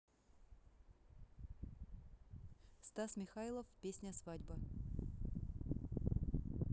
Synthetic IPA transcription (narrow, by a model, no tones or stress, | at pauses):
st̪asmʲɪxailˠəfpʲesʲnʲəsvadʲbə